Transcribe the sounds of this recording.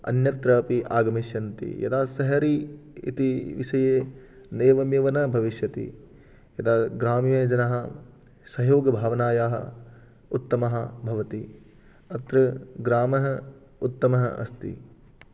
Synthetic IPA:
ɐ̰njɐt̪ɾɐːpiʔaːɡɐmiʃjɐnt̪ḭjɐ̰d̪aːsɐɦɐɾiːḭt̪iʋiʃɐjeː | neːʋɐmjɐʋɐnɐbʱɐʋiʃjɐt̪ḭ | jɐd̪aːɡɾaːmjeːd͡ʒɐnɐɦɐ̆ | sɐjoːɡɐbʱaːʋɐnaːjaːɦɐ̰ | ut̪ːɐmɐɦɐbʱɐʋɐt̪i | ɐt̪ɾɐɡɾaːmɐɦɐ | ut̪ːɐmɐɦɐ̰ɐ̰st̪ḭ

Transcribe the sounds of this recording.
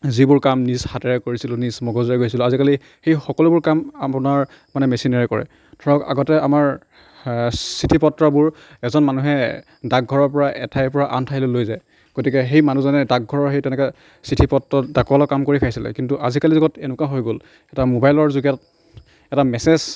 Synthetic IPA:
zibʊɹkamnisxatɛɹɛkoɹisilʊnismɔɡɔzɔɹɛɡojsilʊazikali | xejxɔkɔlubʊɹkamapʊnaɹ | manɛmɛsinaɹɛkɔɹɛ̰ | tʰɔɹɔka̰ɡɔtɛamaɹ | sitʰipɔtːɹɔbʊɹ | ɛzɔnmanuɦɛ | dak̚ɡʱɔɹɔɹpɔɹaʔɛ̰tʰajpɔɹaʔantʰaɦilʊlojzaj | ɡ̥otikɛɦejmanuzanɛdak̚ɡʱɔɹɔɹxejtɛnɛkɛ | sitʰipɔtɹɔdakɔlɔkamkoɹipʰajsilɛ̰kintuʔazikalizɔɡɔtenʊkaɦojɡol | ɛtamobajlɔɹzuɡijat̚ | ɛtamɛsez̥

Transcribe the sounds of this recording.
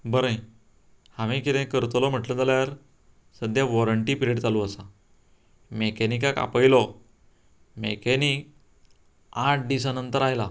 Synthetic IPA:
bəɾə̃j | hãʋĩkit̪ẽkəɾt̪lɔm̤əʈləd͡zaljaɾ | səd̪ʱjaʋɔɾəɳʈipiɾeʈd͡zaluəsa | mekenikaka̰pəjlɔ | mekenik | aʈ̚d̪isanənt̪əɾajla

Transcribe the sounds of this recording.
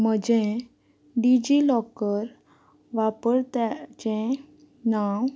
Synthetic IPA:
m̤əd͡ʑẽ | ɖid͡ʑilɔkəɾ | ʋapəɾt̪at͡ɕɛ̃ | naw

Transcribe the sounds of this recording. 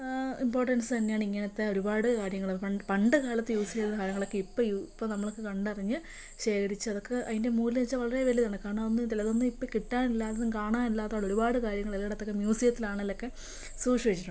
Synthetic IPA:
impo̞ːrʈːɐnsɨt̪ɐnːejaːɳiŋːɐnɐt̪ːe̞o̞ɾubaːɽɨkaːɾjɐŋːɐɭɐpɐɳɖɨkaːlɐt̪ːɨjuːsilɐðɦaːɾɐŋːɐɭokːeipːoipːonɐmːɐɭokːekɐɳɖɨɐriɲːɨ | ɕe̞ːkɐɾit͡ɕːɨɐðo̞kːe̞ʔɐ̰ðinde̞muːllet͡ɕːaʋɐɭɐreʋeliðaːɳɨkaːɳɐonːɨt̪ilɐðonːɨipːokiʈːaːnilːaːðeðɨmkaːɳaːnilːaːt̪ːaːɭo̞ɾubaːɽɨkaːɾjɐŋːɐɭɐlːɐːɐt̪ːo̞kːemjuːsikːɐt̪ːilaːɳɐlːokːe̞ | suːʂieit͡ɕːiʈːu

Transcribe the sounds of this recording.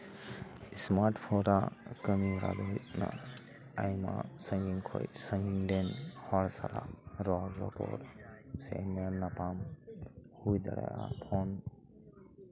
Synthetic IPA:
ismaɾʈpʰɔɾakəmiɾa̰d̪ɔit̪̚na̰ | ajmasəŋɡiŋkʰɔjsəŋɡiŋdenhɔɽsalaɾɔzɔpɔ̰ɾsenenːapam | hujd̪aɽa̰apʰɔn

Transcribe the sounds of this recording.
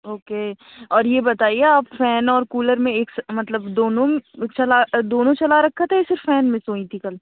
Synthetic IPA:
oːkeː | ɔːɾjebɐt̪aːieaːpfɛːnɔːɾkuːləɾmẽeːksmɐt̪ləbd̪oːnõt͡ʃɐlad̪oːnõt͡ʃɐlaɾɐkʰːat̪ʰɛesɪɾfːɛːnmẽsõːĩt̪ʰikɐl

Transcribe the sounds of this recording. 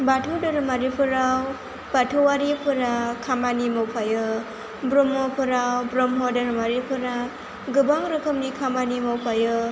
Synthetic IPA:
batʰudɯɾɯmaɾipʰɯɾaw | batʰuwaɾipʰɯɾakʰamanimɔwpʰajɯ | bɾɔmɔpʰɯɾawbɾɔmɦɔdɔɾɯmaɾipʰɯɾa | ɡɯbaŋɾɯkʰɯmnikʰamanimɔwpʰajɯ

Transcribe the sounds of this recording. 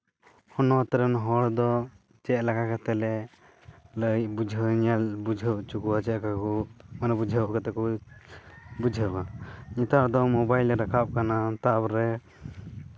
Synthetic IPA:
hɔnɔt̪ɾɛnɦɔɽd̪ɔ | t͡ʃɛʔ̪̚lakakat̪ɛlɛ | ləjbud͡ʒʱəɲalbud͡ʒʱət͡ʃukuwat͡ʃɛʔkakumanabud͡ʒʱəwkat̪ɛku | bud͡ʒʱəbaɲit̪ad̪ɔmɔbajlɾakʰap̚kanat̪abɾɛ

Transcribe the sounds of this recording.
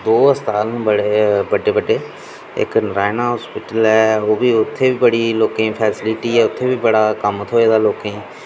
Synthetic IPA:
d̪oːəst̪aːlbəɽeːbəɖeːbəɖeː | ɪ̰knɾaːɪnaːɦɔːspɪʈəlɛːoːbiːʊt̪ʰːeːbiːbəɽiːloːkẽːpʰɛːsɪlɪʈiːɛːʊt̪ʰːeːbiːbəɽaːkəmət̪ʰoːeːd̪aːloːkẽː

